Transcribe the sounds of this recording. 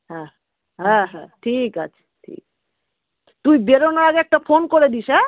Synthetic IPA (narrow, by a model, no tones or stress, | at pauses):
ɦɛ̃ | ɦɛ̃ɦɛ̃ʈʰikat͡ɕʰḁʈʰḭk̚ | t̪ujbeɾonaɾaɡeɛk̚ʈafonkoɾed̪iʃɛ